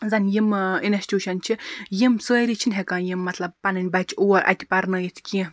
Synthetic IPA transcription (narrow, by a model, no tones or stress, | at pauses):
zɐnʲjiminesʲtʲjuːʃɐnt͡ʃʰijimsəːɾit͡ʃʰinʲɦekãːnjimːɐt̪lɐb̚pɐnɐnʲbɐt͡ʃʰuwɐɾʔɐ̰t̪ʲipɐɾnəjit̪ʰkʲĩ